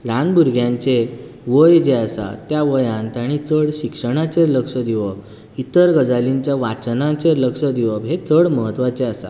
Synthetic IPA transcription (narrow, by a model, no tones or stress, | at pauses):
lanbuɾɡʱjãɲt͡se | ʋəjd͡ʑeasa̰t̪jaʋəjãnt̪aɽ̃it͡səɽɕikʂəɽ̃at͡ɕeɾləkʂəd̪iʋəp | it̪əɾɡəd͡zaliɲt͡ɕjaʋat͡snãt͡ɕeɾləkʂəd̪iʋəpɦet͡səɽməɦət̪ːʋat͡seasa̰